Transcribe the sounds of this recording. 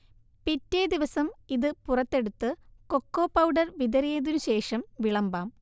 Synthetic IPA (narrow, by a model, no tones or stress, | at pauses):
pitːeːd̪iʋɐsɐmiðɨpurɐt̪ːe̞ɽut̪ːɨko̞kːo̞ːpɐwɖɐrʋid̪ɐɾijɐðinuɕe̞ːʂɐmʋiɭɐmbaːm